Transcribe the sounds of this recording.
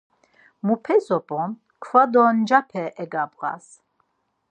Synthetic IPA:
mupʰɛzɔpʼɔ̃n | kʰvad̪ɔnd͡ʒapʰɛʔɛɡabʁa̰s

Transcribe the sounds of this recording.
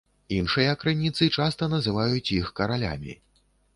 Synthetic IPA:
inʂɨjɐkɾɨnʲit̪sɨt͡ʂast̪ɐnɐzɨvajut͡sʲjixkɐɾalʲa̰mʲḭ

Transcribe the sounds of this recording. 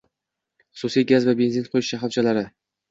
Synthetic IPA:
χʊ̥susijɡʲazvabe̞nzɪnqʰojɪʃaχaft͡ʃʰalaɾɪ

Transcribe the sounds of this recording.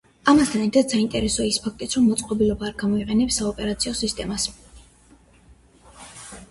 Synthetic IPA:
amast̪ʰanɛɾt̪ʰad̪saint̪ʼɛɾɛsɔaispʰak̚ʰt̪ʼit̪sʰɾɔmːɔt̪sʼqʼɔbilɔbaːɾɡamɔiqʼɛnɛpsːaɔpʼɛɾat̪sʰiɔsist̪ʼɛmas

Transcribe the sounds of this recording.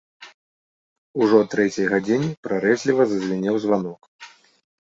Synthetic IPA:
uʐɔt̪ɾɛt͡sʲɐjɣad͡zʲinʲipɾaɾɛzʲlʲivɐzɐzʲvʲinʲɛwzvanɔk

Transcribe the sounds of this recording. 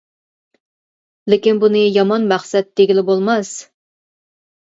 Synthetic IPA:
lekʲinbunɨjɑmɑnmæχsɛt̪ːeɡʲilɪbolˠmɑs

